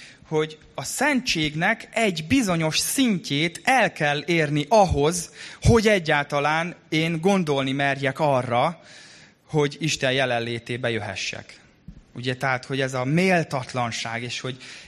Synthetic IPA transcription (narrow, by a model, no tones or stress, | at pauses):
ho̞ɟ | ɒsɛnt͡ʃeːɡnɛkɛɟbizo̞ɲo̞ʃsiɲcʰeːt̪ɛlkɛlːeːrniʔɒɦo̞zho̞ɟɛɟːaːlt̪ɒlaːneːŋɡo̞nd̪o̞lnimɛrjɛkɒrːɒ | ho̞ɟiʃt̪ɛjjɛlɛnleːt̪eːbɛjøɦɛ̰ʃːɛ̰k | uɟɛt̪ɛɦaːt̪ho̞ɟɛzɒmeːlt̪ɒt̪lɒnʃaːɡeːʃho̞ɟ